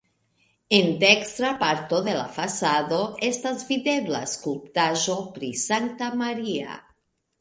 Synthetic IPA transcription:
end̪ekst̪ɾapaɾt̪oðela̰fasaðoest̪azviðeβla̰skulpt̪aʒopɾisant̪amaɾia̰

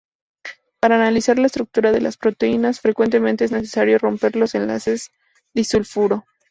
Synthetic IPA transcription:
paɾaːnalisaɾlaest̪ɾuk̚t̪uɾaðelʔa̰spɾo̞t̪e̞inasfɾe̞kwe̞nt̪̬e̞ment̪e̞e̞zne̞s̬e̞̥saɾjo̞ro̞mpe̞ɾlo̞se̞nla̰se̞z | ðisulfuɾo̞

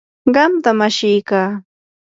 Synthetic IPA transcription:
ɢɑmt̪amaʃɪjkaː

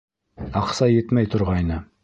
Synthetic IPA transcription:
ɑqsɑjet̪mæjt̪ʰʊɾʁɑjnə

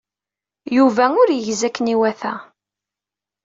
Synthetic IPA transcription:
juvæʊɾjəʝzækːəniwæθæ

